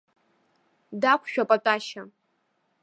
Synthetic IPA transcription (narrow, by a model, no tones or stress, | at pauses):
dakʷʰʃᶣapʼatʼaʃa